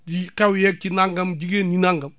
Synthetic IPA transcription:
ikawjɛk̚t͡ʃinaŋɡɐmd͡ʒiɡeninaŋɡɐm

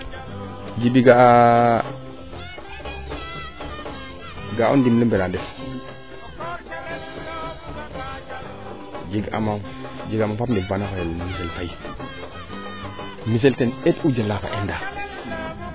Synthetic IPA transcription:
d͡ʒibiɡa | ɡao̰ndimləmbeɾandes | d͡ʒiɡa̰ma | d͡ʒiɡamafapndeɡpanakaolmis̬elfai | mis̬eltenetud͡ʒalaka̰ʔenda

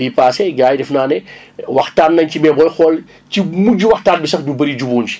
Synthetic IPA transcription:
iːpaːsɛɡaːjdɛfnaːnɛ | wɐxtaːnːɐɲcimɛbɔjxɔl | cimuɟiwɐxtaːnbisɐxdubɐɾid͡ʒubuːnd͡ʒi̥

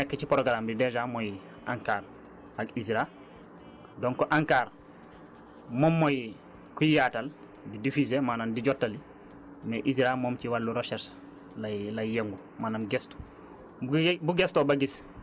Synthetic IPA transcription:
nekːet͡ʃipoɾoɡalambidɛzamoj | ʔaŋkaːɾ | aɡisɾa | doŋkɔʔaŋkaːɾ | momːoj | kujaːtal | bidifizemaːnandiɟɔtːali | neʔizɾamoːmciwalːuɾoʃes | lalajjeŋɡu | maːnamɡestu̥ | buɡestobaɡis

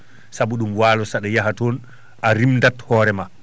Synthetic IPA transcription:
sabuɗumwaːlɔsaɗɛjaɦatɔn | ʔaɾimndathɔːɾɛma

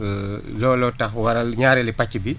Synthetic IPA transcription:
lɔːlɔtɐxwɐɾɐlɲaːɾɛlipacːibi

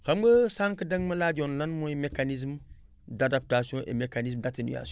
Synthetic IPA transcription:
kambəsaŋkidəŋmɐlad͡ʒonlanmoimekanizm | dadap̚tasiõʔḛmekanizmdatinṵa̰s

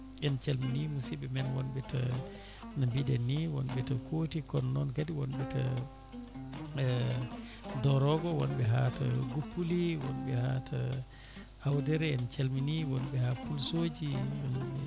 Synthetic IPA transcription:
ɛnt͡ʃalminimusibɛmɛnwɔnbɛta | nambidɛnːiwɔnɓɛtakotikɔnːɔnkadiwɔnɓɛta | dɔɾɔɡɔwɔnɓɛɦata̰ɡupːuliwɔnɓɛhatʰa | hawdɛɾɛɛnt͡ʃalminiwɔnbɛhapulsoːd͡ʒiwɔnɓɛ

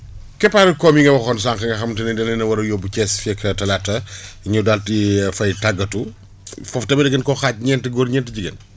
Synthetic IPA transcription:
kɛpaɾɐkɔmjiŋɡɐwɐxɔns̬aŋkɐŋɡɐxɐmtɐnɛdɐlɛnɐwɐɾɐjɔbut͡ʃɛsfɛkʰɐtɐlatːɐɲudaltifɐjtaɡːɐtu | fɔftɐbɐdɛɡɐnkɔxaːc̚ɲɛntɐɡoːɾɲɛntəɟiɡɐ̰n

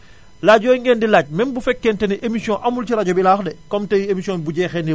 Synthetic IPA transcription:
laɟɔːjŋɡɛːndilaːɟ̚mɛnbufɛkːɛntɛnɛʔemisiɔ̃ʔamult͡ʃiɾaɟɔbilaːxdɛkɔmtɛemisiɔ̃nbuɟɛːxɛni

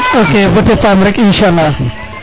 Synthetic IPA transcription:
okebʊtefamɾɪkɪnʃalːa

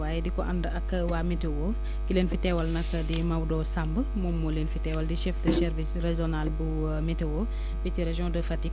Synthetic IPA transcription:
waːjɛdikɔʔɐndəɐkːəwaːmɛtewo | kileːnfitɛwɐlnɐkːədimɐwdɔːsambəmɔmːɔleːnfitɛwɐldiʃɛfdəʃɛɾvisrezɔnalbu | mɛtewo | biciɾɛʒɔ̃dəfɐti

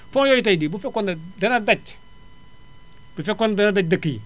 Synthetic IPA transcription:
fojojit̬ajdibufekondadanadat͡ʃ | b̥ifekondanadat͡ʃ̚dakːij

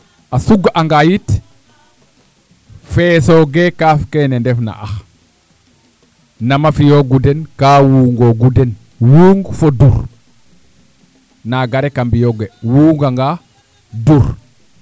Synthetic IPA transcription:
asuɡaŋɡajit | fesoɡekafkenendefna̰ʔax | namafijoɡudenkaːwuːŋɡoɡuden | wuːŋɡfoduɾ | naɡaɾekambijoɡewuŋɡaŋɡa | duɾ

